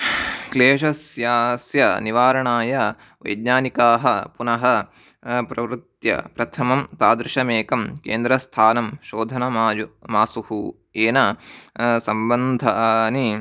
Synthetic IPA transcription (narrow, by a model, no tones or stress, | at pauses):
kleːʂɐsjaːsjɐniʋaːɾɐɳaːjɐ | ʋɐ̰jd̪ɲaːnikaːɦɐpunɐɦɐ | pɾɐʋɾut̪jɐ̰pɾɐt̪ʰɐmɐmt̪aːd̪ɾɪʃɐmeːkɐmkḛːnd̪ɾɐst̪ʰaːnɐmʃoːd̪ʱɐnɐjmaːsuhu | eːnɐ | sɐmbɐnd̪ʱɐɐni